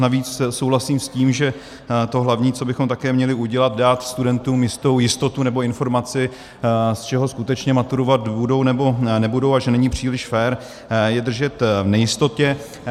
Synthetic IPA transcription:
naviːt͡ssowlasiːmsciːmʒɛ | t̪o̞ɦlavɲiːt͡so̞bɪxomt̪akɛːmɲɛlɪuɟɛlad̪daːt̪st̪udɛnt̪uːmjɪst̪o̞wjɪst̪o̞t̪unɛbo̞ɪnfo̞ɾmat͡sɪ | st͡ʃɛɦo̞skut̪ɛt͡ʃɲɛmat̪uɾo̞vat̪budo̞wnɛbo̞nɛbudo̞waʒɛnɛɲiːpr̝̥iːlɪʃfɛːɾ | jɛd̪r̩ʒɛt̪vnɛjɪst̪o̞t̪ɛ

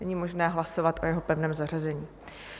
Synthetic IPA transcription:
ɛɲiːmo̞ʒnɛːɦlaso̞vat̪ʔo̞jɛɦo̞pɛvnɛːmzar̝azɛɲiː

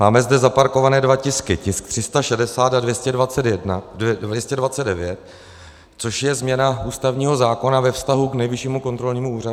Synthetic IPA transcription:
maːmɛzdɛzapaɾko̞vanɛːdvacɪskɪcɪskt̪r̥ɪst̪aʃɛdɛsaːt̪advjɛscɛdvat͡sɛt̪jɛdnadvjɛscɛdvat͡sɛddɛvjɛt̪̚ | t͡so̞ʃjɛzmɲɛnaʔuːst̪avɲiːɦo̞zaːko̞navɛfst̪aɦuknɛjvɪʃiːmuko̞nt̪ɾo̞lɲiːmuuːrau

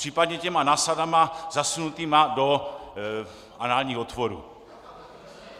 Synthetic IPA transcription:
pr̥iːpadɲɛcɛmanaːsadamazasunut̪iːmado̞ | ʔanaːlɲiːɦot̪voɾṵ

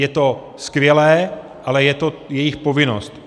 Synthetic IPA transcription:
jɛt̪o | skvjɛlɛː | ʔalɛjɛt̪ojɛjɪxpovɪno̰st̪

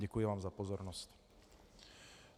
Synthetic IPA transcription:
ɟɛkujɛʋaːmzapɔzɔɾnɔsc

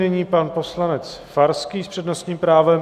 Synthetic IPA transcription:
nɛɲiːpanpo̞slanɛt͡sfaɾskiːspr̥ɛdnost̪ɲiːmpɾaːvɛm

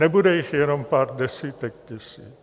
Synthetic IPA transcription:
ɛbudɛjɪxjɛnompaːrdɛsiːt̪ɛk̚t̪ɛsiː

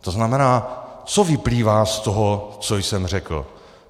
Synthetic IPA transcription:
t̪oznamɛnaːt͡sovɪpliːvaːst̪oɦot͡sojsɛmr̝ɛkl̩

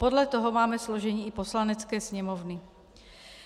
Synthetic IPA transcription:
pɔd̪lat̪ɔɦɔmaːmɛslɔʒɛɲiːipɔslanɛt͡skɛːsɲɛmɔwni

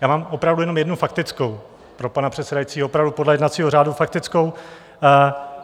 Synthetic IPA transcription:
jaːmaːmʔopɾavdujɛno̞mjɛdnufak̚t̪ɪt͡sko̞w | pɾo̞panapr̝̥ɛt̪sɛdajit͡siːɦoopɾavdupodlɛjɛdnat̪t͡siːɦor̝aːdufak̚t̪ɪt͡sko̞w

